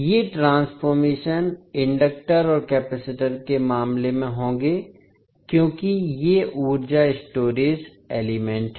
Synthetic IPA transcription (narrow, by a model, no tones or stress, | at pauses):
jeʈɾãːnsfoːɾmeːʃənɪ̃ɳɖək̚ʈəɾɔːɾkɛːpɛsɪʈəɾkemaːmlemẽɦõːɡeː | kjõːkijeʔuːɾd͡ʒaɪsʈoːɾiːz | eːlɪmɛ̃ɳʈɦɛ